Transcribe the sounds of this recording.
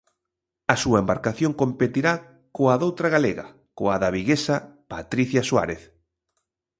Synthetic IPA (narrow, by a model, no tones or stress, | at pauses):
ɐsuɐembaɾkaθjoŋkompet̪iɾa | koaðowt̪ɾaɣaleɣa̰ | koaðaβiɣesapat̪ɾiθjaswa̰ɾeθ